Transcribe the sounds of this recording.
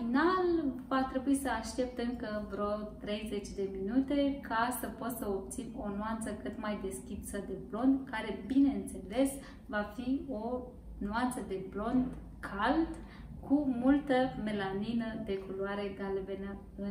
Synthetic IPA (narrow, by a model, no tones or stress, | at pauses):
finalvat̪ɾe̞buisəaʃt̪e̞p̚t̪ɨŋkəvɾot̪ɾe̞jze̞t͡ʃʲd̪e̞minut̪e̞kʰasəpo̞t̪səop̚t̪sino̞nuant̪səkɨt̪majd̪e̞skʲit̪səd̪e̞blo̞nd̪kaɾe̞bine̞ɨnt̪se̞le̞s | vafio̞ | nuant̪səd̪e̞blo̞nd̪ | kʰald̪ | kʰumult̪əme̞laninəd̪e̞kuluaɾe̞ɡalvenə | ɨ